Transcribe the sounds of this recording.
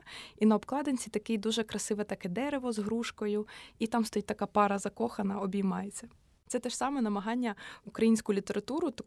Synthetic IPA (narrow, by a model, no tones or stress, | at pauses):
inɐɔbklˠɑd̪enʲt͡sʲit̪ɐkɪjd̪uʒɛkɾɐsɪʋɛt̪ɐkɛd̪ɛɾeʋɔzɦɾuʃkɔjʊit̪ɑmst̪ɔjit̪ɐkɑpɑɾɐzɐkɔxɐnɐɔbʲijmɑjet͡sʲːɐ | t̪sɛt̪ɛʃsɑmɛnɐmɐɦɑnʲːɐukɾɐjinʲsʲkʊlʲit̪eɾɐt̪uɾʊt̪